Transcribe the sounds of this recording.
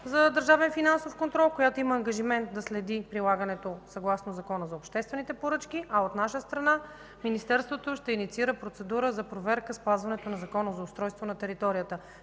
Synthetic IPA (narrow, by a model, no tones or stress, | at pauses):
zɐd̪əɾʒavɛnfinansofkont̪ɾɔlˠkojat̪oimɐːŋɡɐʒimɛnt̪̚d̪ɐslɛd̪ipɾilˠaɡənɛt̪osɐɡlˠasnozɐkɔnəzɐopʃt̪ɛst̪vɛnit̪ɛpoɾɤt͡ʃk̟iʔɐot̪naʃəst̪ɾɐna | minist̪ɛɾst̪vot̪oʃt̪ɛinit̪siiɾəpɾot̪sɛd̪uɾəzɐpɾovɛɾkəspazvɐnɛt̪onɐzɐkɔnəzɐʊst̪ɾɔjst̪vonɐt̪ɛɾit̪ɔɾijət̪ə